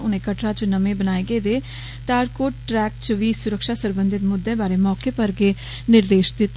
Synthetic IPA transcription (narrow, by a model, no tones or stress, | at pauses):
ʊnẽːkəʈɾaːt͡ʃnəmẽːbənaːeɡeːd̪eː | t̪aːɾkoːʈʈɾɛːkt͡ʃʋiːsʊɾəkʃaːsəɾbə̃nd̪ɪt̪mʊd̪ːẽːbaːɾeːmɔːkeːpəɾɡeː | nɪɾd̪eːʃd̪ɪt̪ː